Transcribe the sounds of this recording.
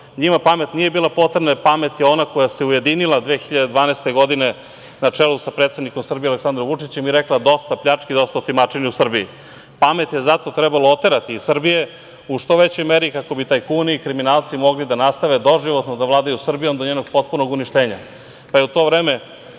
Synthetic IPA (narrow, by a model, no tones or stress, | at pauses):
ɲimapame̞t̪nije̞biːlapo̞t̪ɾebnapame̞t̪jeo̞nako̞jaseuje̞d̪inilˠad̪ʋeːxiʎad̪ed̪ʋaːnest̪e̞ɡo̞d̪ine | nat͡ʂelusapɾet̪sed̪nikomsr̩bijealeksand̪ɾomvut͡ʂit͡ɕemiɾeklˠad̪o̞st̪apʎat͡ʂkid̪o̞st̪aot̪imat͡ʂiniusr̩bii | pame̞t̪je̞zat̪o̞t̪ɾɛbaloot̪e̞ɾat̪iːsr̩bije̞ | uʂt̪o̞ʋet͡ɕo̞jmeɾikako̞bit̪aːjkuniikɾiminaːlˠt̪simo̞ɡlid̪anast̪aʋed̪o̞ʒiʋo̞t̪nod̪aʋlaːd̪ajusr̩bijo̞md̪o̞ɲeːnoɡpo̞t̪̚puno̞ɡuniʃt̪eːɲa̰ | pajeut̪o̞vɾeːme